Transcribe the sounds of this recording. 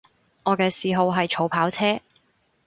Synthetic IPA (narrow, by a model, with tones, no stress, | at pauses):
ŋɔː˨˧kɛː˧siː˨ɦo˨˧wɦɐ˨jt͡ʃʰo˨˥wpʰaː˨˥wt͡sʰɛː˥